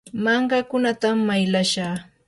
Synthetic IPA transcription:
mɑɴɢɑkʊnat̪amːajlaʃaː

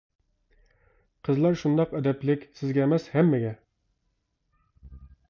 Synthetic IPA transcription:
qʰəzlˠɑɾʃund̪ɑqɛd̪ɛplɪkʲsɪzɡʲɛːmɛshɛmːɪɡʲɛ

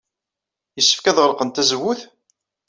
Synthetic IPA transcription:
jəsːə̥fkæðʁəɾqənt̪æzəwːʊθ

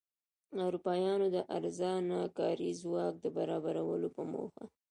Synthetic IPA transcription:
awɾupɑjɑnod̪əʔaɾzɑnɑkɑɾizwɑk̚d̪əbaɾɑbaɾawəlopəmo̰xa

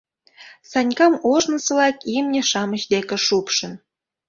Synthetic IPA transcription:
sɑnʲkɑmoʒnə̆sɤ̆lɑkimnʲĕʃɑməɕd̪ekĕʃupʃə̆n

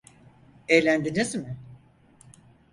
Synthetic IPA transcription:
ejlʲænd̪inesimɪ

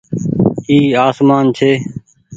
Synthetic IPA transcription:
iːaːsmaːnt͡ʃʰeː

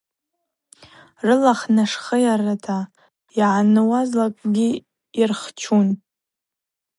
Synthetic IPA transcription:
rɨlaχnaʂχəjaratʰa | iʕanɨwazlakʼɡʲiː | irχt͡ʃʰun

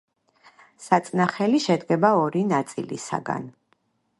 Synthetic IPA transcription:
sat̪sʼnaχɛliʃɛd̪ɡɛbaɔɾinat̪sʼḭlḭsa̰ɡa̰n

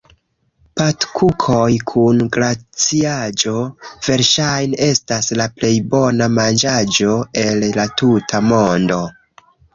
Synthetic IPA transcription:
patkʰukʰo̞jkʰunɡɾat͡siad͡ʒo̞v̥e̞ɾʃajnee̞staslaple̞jbo̞namand͡ʒad͡ʒo̞e̞lːatutʰamo̞ndo̞

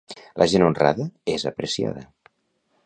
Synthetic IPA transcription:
lʔəʒenunra̰ðəezəpɾəsia̰ðə

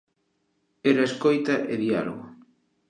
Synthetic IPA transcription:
eɾaeskojt̪aʔeðialo̰ɣo

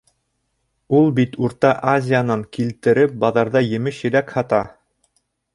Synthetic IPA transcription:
ulˠbit̪uɾt̪ɑʔazʲɪjanɑŋkilt̪ɘ̆ɾɘp̚bɑðɑɾðɑjɘ̆mɘʃjɘ̆ɾækhɑt̪ɑ

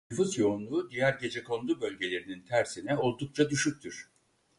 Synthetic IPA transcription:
nfuzjo̞unlˠuːd̪ijæɾɟe̞d͡ʒɛkʰo̞nd̪ˠubø̞lʲɟe̞lʲe̞ɾinint̪ʰæɾsinɛo̞lˠd̪uk̚t͡ʃʰad̪yʃyc̚t̪ʰyɾ̥

